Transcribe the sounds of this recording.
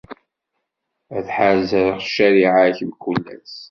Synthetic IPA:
æθħazəɾʁʃːæɾiʕaçmkːulːæ̰s

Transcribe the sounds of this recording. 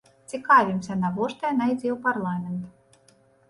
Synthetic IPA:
t̪sʲikːaːvʲimsʲanavuɔʃt̪ajnajd̪zʲiːwpaɾlˠaːmʲent̪

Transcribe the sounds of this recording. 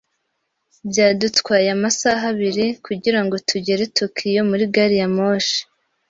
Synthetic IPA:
bjaːdutkwaːjamasaɦaβiɾikuɟiɾaŋɡo̞tʰuɟe̞ɾe̞tokʰijo̞muɾiɡaɾijamo̞ːʃe̥

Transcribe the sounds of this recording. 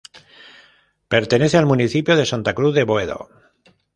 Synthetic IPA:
pe̞ɾt̪e̞ne̞θealmuniθipjoð̞e̞sant̪akɾuððe̞βoeðo̞̰

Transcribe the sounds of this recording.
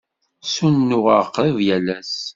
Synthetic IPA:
sunnːʊʁəʁqːvjælæs

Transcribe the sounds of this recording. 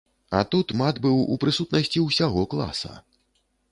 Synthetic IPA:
ɐ̰t̪ut̪mad̪bɨwṵpɾɨsut̪nɐsʲt͡sʲiwsʲaɣɔklˠa̰sɐ̰

